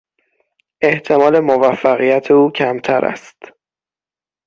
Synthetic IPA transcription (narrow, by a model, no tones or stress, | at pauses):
ʔe̞ht̪ʰe̞mɒːle̞movæfːæɣijæt̪ʰeuːcʰæmt̪ʰæɾʔæ̰st̪